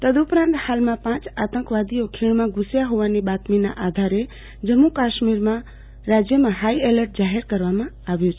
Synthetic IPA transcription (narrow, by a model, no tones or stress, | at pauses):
t̪əd̪upɾãnt̪halmãpãt͡ʃat̪ə̃ŋkʋad̪ijokʰiɭmãɡusjaɦoʋanibat̪mina̰ʔad̪ʱaɾe | d͡ʒəmːukaʃmiɾmã | ɾad͡ʒjəmãɦaieləɾʈ̚d͡ʒaɦeɾkəɾʋamã | aʋjot͡ʃʰ